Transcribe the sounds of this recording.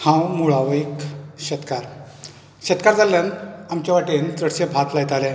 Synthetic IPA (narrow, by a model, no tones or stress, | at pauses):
hãwmuɭaʋəikɕət̪kaɾ | ɕət̪kaɾd͡zaljant̪amt͡ɕaʋaʈent͡səɽɕẽbʱat̪lajt̪alɛ̃